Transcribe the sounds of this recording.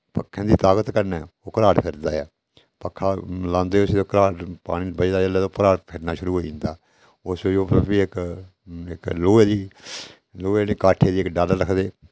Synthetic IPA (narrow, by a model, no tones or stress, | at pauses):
pə̰kʰːẽːd̪iːt̪aːɡət̪kəɾnɛːoːkəɾaːɖpʰɪɾd̪aːɛ̰ː | pəkʰːaːlãːnd̪eːsoːkəɾaːɖpa̰ːɽ̃ĩːbəd͡ʒd̪aːd͡ʒəleːd̪oːpəɾaːɖpʰɪɾnaːʃʊɾuːɦoːiɪ̃ːnd̪aː | ʊsʋed͡ʒoːpbiɪk | ɪkloːeːd̪iː | loːeːniːkaːʈʰːeːd̪iːɪkɖaːləɾəkʰd̪eː